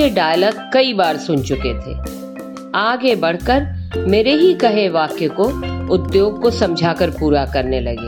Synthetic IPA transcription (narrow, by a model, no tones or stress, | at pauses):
eɖaːjləkːɐibaːɾsʊnt͡ʃʊket̪ʰḛː | aːɡebɐɽ̤kəɾmeːɾeɦikɐɦeʋaːkjekoʊd̪joːɡ̚kosɐ̃md͡ʒʱaːkəɾpuːɾakɐɾnelɐɡḛː